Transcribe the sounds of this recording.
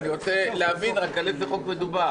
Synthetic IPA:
niʁo̞t͡seleavinʁakalezeχo̞kme̞duba

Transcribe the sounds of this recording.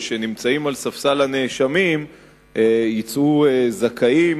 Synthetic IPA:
ʃe̞nimt͡saimalsafsalane̞ʃamim | ʔejit͡sʔuezakʰaim

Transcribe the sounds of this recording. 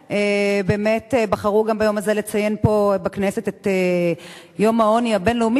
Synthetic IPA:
ʔebeːmetebaχaʁuɡambajo̞mazelet͡saje̞npo̞baknese̞tet̪e | jo̞mao̞njabenleumi

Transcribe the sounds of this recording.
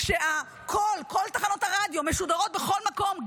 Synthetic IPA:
ʃea | kʰolko̞lt̪aχano̞t̪haʁad̪jo̞meʃud̪aʁo̞t̚beχo̞lmako̞m

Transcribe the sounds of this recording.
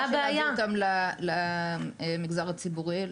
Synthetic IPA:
abeajaɡamlalaemiɡzaʁat͡sibuʁi

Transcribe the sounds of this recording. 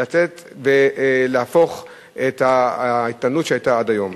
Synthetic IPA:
at͡set̪ | veleafo̞χ | ʔet̪ait̪anutʃeajtaadajo̞m

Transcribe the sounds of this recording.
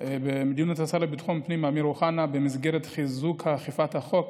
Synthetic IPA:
bemid̪unatasalebit̪χonpnimamiɾoχanabemizɡeʁet̪χizukhaχifat̪haχok

